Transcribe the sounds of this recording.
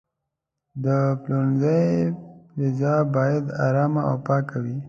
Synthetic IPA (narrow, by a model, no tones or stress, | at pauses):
d̪əplonzəjɾɪzɑbɑjad̪a̰ɾɑmaa̰wpɑkawi